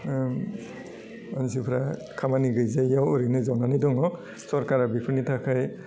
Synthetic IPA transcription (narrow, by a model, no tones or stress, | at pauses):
ansipʰɾa | kʰamaniɡɯjzajjawɔɾinɯzɔnanajdɔŋɔ | sɔɾkaɾabipʰɯɾnitʰakʰaj